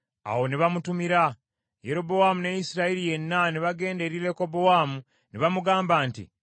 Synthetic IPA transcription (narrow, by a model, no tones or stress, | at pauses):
a̰wo̞niβamutumiɾa | jeɾo̞bowamunejisiɾaiɾije̞nːaniβaɡe̞ːnde̞ɾiɾe̞ko̞bo̞waːmu | niβamuɡaːmbaːntḭ